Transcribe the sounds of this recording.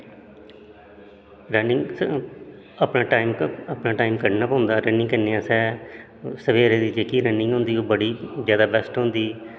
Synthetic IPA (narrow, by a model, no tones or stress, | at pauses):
ɾənɪŋɡ | əpnaːʈaːiməpnãːʈaːimkəɾnaːpãːʊ̃nd̪aːɾənɪ̃ŋkəneːãːsɛː | səʋeːɾeːd̪iːd͡ʒeːkiːɾənːɪŋɡɦõːnd̪iːoːbəɽiːzjaːd̪aːbɛːsʈɦʊ̃ːnd̪iː